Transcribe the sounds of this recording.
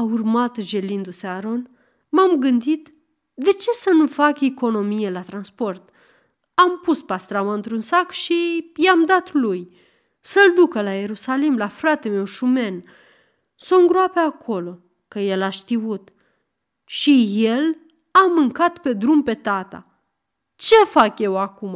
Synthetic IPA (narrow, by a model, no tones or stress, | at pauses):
aurmat̪ʒe̞lind̪useaɾo̞n | mamɡɨnd̪it̪ | d̪e̞t͡ʃe̞sənufakeko̞no̞mije̞lat̪ɾanspo̞rt̪ | ampuspast̪ɾamaɨnt̪ɾunsakʃijamd̪at̪luj | səld̪ukəlaje̞ɾusalimlafɾat̪e̞me̞wʃume̞n | soɨŋɡɾoapeakʰo̞lo̞ | kəje̞laʃt̪iut̪ | ʃije̞l | amɨŋkat̪pe̞d̪ɾumpe̞t̪at̪a̰ | t͡ʃe̞fakje̞wakuma